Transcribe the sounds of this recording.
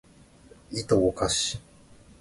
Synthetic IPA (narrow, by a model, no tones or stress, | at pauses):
it̪ookaɕi̥